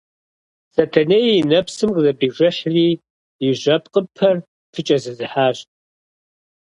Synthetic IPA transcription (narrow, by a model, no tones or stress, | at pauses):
sɐtʰɐneːjinɐpsɨmqzɐbiːʒʷɐħriː | ɪʒʷɐpʼqʼəpʰɐr | fʰɨt͡ʃʼɐzɨzɨħaːɕtʼ